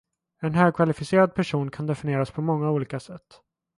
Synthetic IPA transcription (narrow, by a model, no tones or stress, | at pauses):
ɛnɦœːɾkʰvalɪfɪseːɾad̪̚pʰæʂuːnkʰand̪ɛfɪnɪeːɾaspʰɔmɔŋːauːliːkasɛt̪ː